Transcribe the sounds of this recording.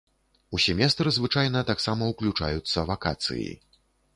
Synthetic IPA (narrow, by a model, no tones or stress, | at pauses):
usʲɛmʲɛst̪ɾɨzvɨt͡ʂajn̪ɐt̪aksamɐuklʲut͡ʂa̰jut̪sːɐvakat̪sɨ̰jḭ